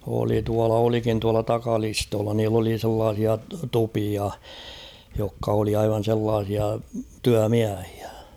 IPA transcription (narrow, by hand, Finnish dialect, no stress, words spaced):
oli tuɑlɑ olikin tuɑlɑ tɑkɑlistoːlːɑ niːlː oli selːɑːsiɑ tupiɑ jokːɑ oli ɑiʋɑn̞ selːɑːsiɑ tyæmiæhi̥æ̥